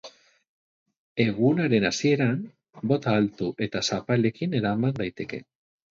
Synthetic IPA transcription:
e̞ɣunaɾe̞nasie̞ɾam | bo̞t̪aːlt̪uʔe̞t̪asapale̞kine̞ɾamand̪ajt̪e̞ke̞̰

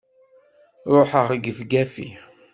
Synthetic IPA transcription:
ɾˤoħəʁɡəfɡæfḭ

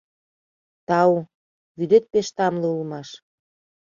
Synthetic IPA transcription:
t̪ɑu | βyd̪et̪̚peʃt̪ɑmleulmɑʃ

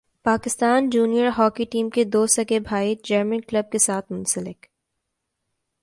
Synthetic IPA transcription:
paːkɪst̪aːnd͡ʒuːnijəɾɦɔːkiʈiːmked̪oːsɐkebʱaːid͡ʒɐɾmə̃nklɐb̚kesaːt̪ʰmʊ̃nsəlɪk

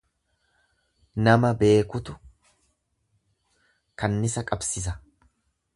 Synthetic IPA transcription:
nɐmɐbe̞ːkʊt̪ʊ | kɐnːɪsɐkʼɐbsɪs̬ɐ

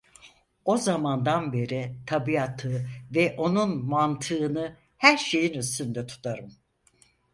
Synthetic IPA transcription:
o̞zamand̪anbe̞ɾit̪ʰabiat̪ʰɯvɛʔo̞nunmant̪ʰɯːnɯ | hæɾʃe̞jinyst̪ynd̪ɛt̪ʰu̥t̪ʰaɾɯm

